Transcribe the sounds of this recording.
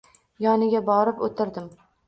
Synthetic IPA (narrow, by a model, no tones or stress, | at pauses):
jɒnɪɡʲabɒɾɪpot̪ʰɪɾd̪ɪm